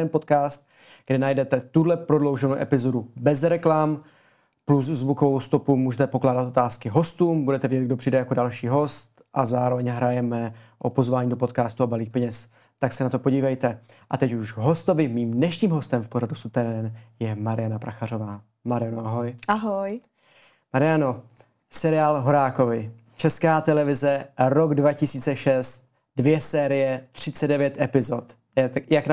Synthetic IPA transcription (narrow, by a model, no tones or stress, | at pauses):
ɛnpo̞t̪kaːst̪̚ | ɡ̥dɛnajdɛt̪ɛt̪udlɛpɾodlo̞wʒɛnowʔɛpɪzo̞dubɛzɾɛklam | pluszvukovowst̪o̞pumuːʒɛt̪ɛpo̞klaːdat̪ʔo̞t̪aːskɪɦo̞st̪uːmbudɛt̪ɛvɪɟɛt̪̚ɡ̚do̞pr̝̥iːdɛjako̞dalʃiːɦo̞st̪ʔazaːɾo̞vɛɲɦɾajɛmɛʔopo̞zvaːɲiːdo̞po̞t̪kaːst̪uabaliːxpɛɲɛs | t̪aksɛnat̪o̞po̞ɟiːvɛjt̪ɛʔat̪ɛcuʒɦo̞st̪o̞vɪmiːmdnɛʃɲiːmɦo̞st̪ɛmfpoɾadusut̪ɛɾɛnjɛmaɾɪjanapɾaxaɾo̞vaː | maɾɪjanoʔaɦo̞jʔaɦoj | maɾɪjano̞ | sɛɾɪjaːlɦo̞ɾaːko̞vɪ | t͡ʃɛskaːt̪ɛlɛvɪzɛɾo̞ɡdvacɪsiːt͡sɛʃɛst̪̚ | dvjɛsɛːɾɪjɛt̪r̝̥ɪt͡sɛddɛvjɛt̪ʔɛpɪzo̞t̪ | jak